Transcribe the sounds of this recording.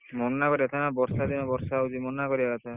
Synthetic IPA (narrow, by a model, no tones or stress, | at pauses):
mɔnnakɔɾiat̪ʰanabɔɾsad̪inabɔɾsawzimɔnnakɔɾiaat̪ʰa